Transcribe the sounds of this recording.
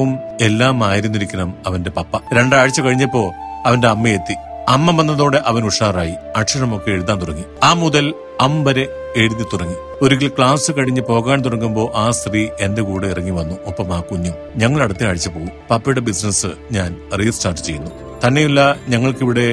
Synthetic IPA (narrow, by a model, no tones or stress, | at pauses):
ume̞lːaːmaːjiɾunːiɾikʲːɐɳɐmɐʋɐnde̞pɐpːɐɾe̞ɳɖɨaːɻit͡ɕːɐkɐɻiɲːɐpːo̞ːɐʋɐnde̞ɐmːɐet̪ːi | ɐmːɐbɐnːɐðoːɽeʔɐʋɐnuʂaːraːjiɐʈʂɐɳɐmo̞kːe̞eɻuðaːnt̪urɐŋːiaːmuðɐl | ɐmbɐɾe | eɻuðit̪urɐŋːi | oɾukilkɭaːsɨkɐɻiɲːɨpo̞ːɣaːnt̪urɐŋːumbo̞ːʔaːst̪riːe̞ndekuːɽeirɐŋːiʋɐnːuopːɐmaːkuɲːum | ɲɐŋːɐɭɐɽɐt̪ːiaːɻit͡ɕːɐpo̞ːɣumpɐpːɐjuɽebisnɐsɨɲaːnriːsʈaːrʈːɨ̥t͡ɕe̞jːunːu | t̪ɐnːejulːɐɲɐŋːɐɭkiʋiɽe̞